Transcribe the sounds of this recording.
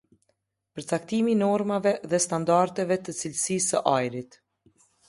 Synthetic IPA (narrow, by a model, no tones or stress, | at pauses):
pəɾt͡sak̚t̪iminɔɾmavɛðɛst̪and̪aɾt̪ɛvɛt̪ət͡silsisəʔajɾit̪